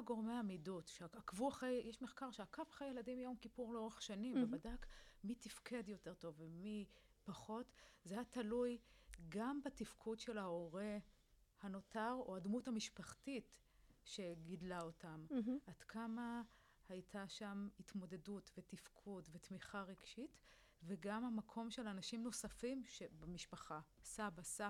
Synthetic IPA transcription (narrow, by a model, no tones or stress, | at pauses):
ɡo̞ʁmeamidutʃeakvuaχejjeʃmeχkaʁʃeakavaχejeladimjo̞mkipuʁleo̞ʁeχʃanimvevadakmitifkʰe̞djo̞te̞ʁto̞vemi | paχo̞tzehatalujɡambatifkʰudʃe̞laoʁe̞ | hano̞taʁo̞admuthamiʃpaχtit | ʃe̞ɡidlao̞tamʔad̥kʰama | hajtʰaʃamhitmo̞de̞dutve̞tifkʰudvetmiχaʁeɡʃit | veɡamhamakʰo̞mʃe̞lanaʃimno̞safimʃebemiʃpaχasabasa